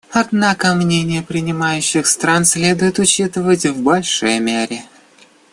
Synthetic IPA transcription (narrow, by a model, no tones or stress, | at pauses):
ɐd̪nakəmnʲenʲɪjəpɾʲɪnʲɪmajʉɕːɪxst̪ɾansʲlʲed̪ʊjɪt̪ʊt͡ɕit̪ɨvətʲvbɐlʲʂojmʲeɾʲɪ